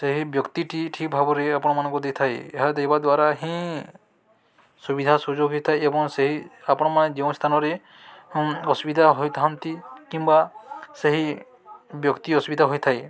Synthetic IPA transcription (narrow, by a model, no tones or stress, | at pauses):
seɦibjɔkt̪iʈʰiʈʰik̚bʱabɔɾeapɔñɔmanɔ̃ŋkud̪et̪ʰaejeɦad̪ejbad̪waɾaɦĩ | subid̪ʱasud͡ʒoɡɦit̪ʰajebɔŋseɦiapɔñɔmaned͡ʒew̃st̪ʰanɔɾe | ɔsubid̪ʱaɦojt̪ʰaɦɔnt̪ikimbaseɦi | bjɔkt̪iɔsubid̪ʱaɦojt̪ʰaj